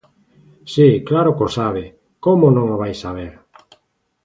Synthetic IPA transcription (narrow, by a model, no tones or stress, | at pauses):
siklaɾʊkosaβ̞ɪ | komonõŋoβ̞ajsaβeɾ